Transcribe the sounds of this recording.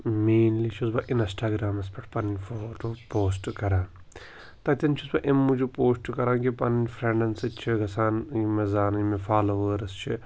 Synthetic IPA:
meːnliʃʰusbɐʔinsʈaːɡɾaːmɐspɐʈʰpɐnnʲfʰoʈupoːsʈkɐɾaːn | t̪ɐt̪ʲɐnt͡ʃʰusbɐʔemːud͡ʒupoːsʈkɐɾaːnkipɐnnʲfɾeɳɖɐnsɨt͡ʃʰiɡɐsaːnimezaːnimefaːloʋəːɾɨst͡ʃʰi

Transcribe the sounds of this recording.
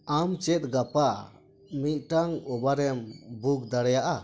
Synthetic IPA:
amt͡ʃɛt̪̚ɡapa | mit̪̚ˀʈaŋɔbaɾɛmbuk̚d̪aɽɛjaʔa

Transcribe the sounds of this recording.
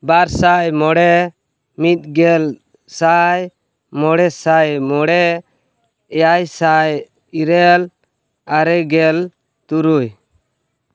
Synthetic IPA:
baɾsajmɔɽɛ | mit̪̚ɡɛl | saj | mɔɽɛsajmɔɽɛ | ɛjajsaj | iɾɛl | aɾɛɡɛl | t̪uɾuj

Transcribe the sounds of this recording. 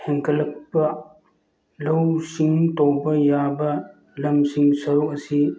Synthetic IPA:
heŋkɐlɐk̚pɐ | lɐwsiŋtobɐjabɐ | lɐmsiŋsɐɾuk̚ɐsi

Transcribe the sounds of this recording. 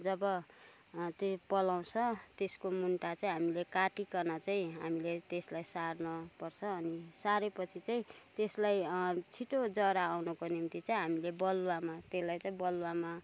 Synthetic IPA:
d͡zʌbʌ | t̪epʌlaw̃t͡sʰʌt̪eskomunʈat͡saĩɦamilekaʈikʌnat͡saĩɦamilet̪eslajsarnʌpʌrt͡sʰʌːnisaɾepʌt͡sʰit͡saĩt̪eslajt͡sʰiʈod͡zʌɾaːwnʌkonimt̪it͡saĩɦamilebʌlwamat̪eslajt͡saĩbʌlwama

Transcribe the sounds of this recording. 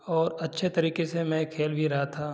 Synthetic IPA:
ɔːɾɐtːʃʰet̪ɐɾiːkesemɛ̃kʰeːlbʱiɾɐɦat̪ʰa

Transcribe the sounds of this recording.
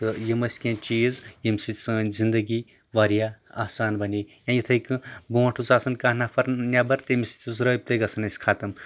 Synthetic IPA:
jemɐsʲkẽt͡ʃizjemsit͡szind̪ɐɡi | ʋaɾjaa̰ːsaːnbʱɐnijãjit̪ʰɐjkɨbuɐ̃ʈʰusaːsɐnkanapʰɐɾnʲjaːbɐɾt̪emisi̥t͡sʲuzɾɐp̚t̪ɐɡɐsʰɐnɐsʲkʰat̪ɐm

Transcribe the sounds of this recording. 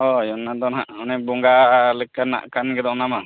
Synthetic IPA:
ɔjɔnːad̪ɔnɦaʔɔnɛbɔŋɡaləkːana̰ʔkanɡɛd̪ɔʔnama

